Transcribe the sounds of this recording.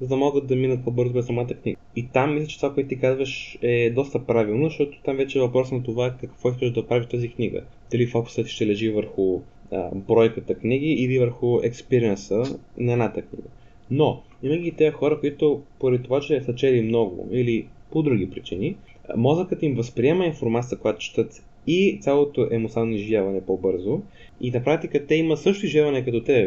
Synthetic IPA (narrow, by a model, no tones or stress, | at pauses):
zɐd̪ɐmɔɡət̪̚d̪ɐminət̪̚pobɤɾzʊbɛsɐmat̪əkniɡəit̪amːislʲət͡ʃɛt̪ovakoɛt̪ʊt̪ikazvəʃɛd̪ɔst̪əpɾavilˠnozɐʃt̪ɔt̪o̥t̪amvɛt͡ʃɛvɐpɾɔsnɐt̪ovaɛkɐkvɔiskəʒɛʒd̪ɐpɾaviʃt̪azikniɡə̰ | ilifokʊ̥sət̪ʃt̪ɛlɛʒivəɾxʊ | ə̰bɾɔjkət̪əkniɡ̟iʔilivəɾxʊɛkspiɾiənsənɐɛd̪nat̪əknḭɡə | no | iməɡʲit̪ɛjəxɔɾəkoit̪ʊpoɾɛd̪it̪ovat͡ʃɛsɐt͡ʃɛlimnɔɡʊ̰ilipod̪ɾuɡ̟ipɾit͡ʃini | mɔzəkət̪əimvəspɾiɛməinfoɾmat̪sʲijəkojat̪o̥t͡ʃɛ̥t̪ət̪ | it̪sʲalˠot̪oʔɛmot̪sannniʒivʲjavɐnɛpobɤɾzo | inɐpɾakt̪ikət̪ɛimət̪sɤʃt̪ʊiʒvʲjavɐnɛkɐt̪ɔt̪ɛ